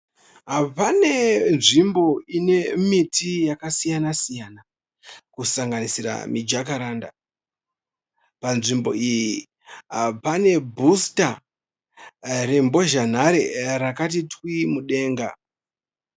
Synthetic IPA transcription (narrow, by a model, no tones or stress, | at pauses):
ɦapane̞nʐimbo̞ine̞mitʰijakasijanasijana | kusaŋɡanisiɾa̰mid͡ʒakaɾaːnda | panʐimbo̞iji | ɦapane̞bʱusta | rembo̞ʒan̤aɾerakatitwimuɗe̞ːŋɡa̰